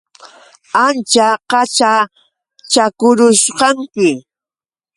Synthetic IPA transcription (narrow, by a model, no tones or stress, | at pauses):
ant͡ʃaqɑt͡ʃa | t͡ʃakʊɾʊʃqɑŋkɪ